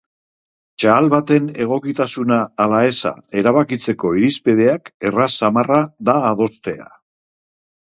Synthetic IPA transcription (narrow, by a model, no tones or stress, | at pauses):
t͡ʃaːlβat̪e̞ne̞ɣ̞o̞kit̪asunaːlae̞sa̰e̞ɾaβakit͡se̞ko̞iɾispið̞e̞ake̞rasamaraðaːð̞o̞st̪e̞a̰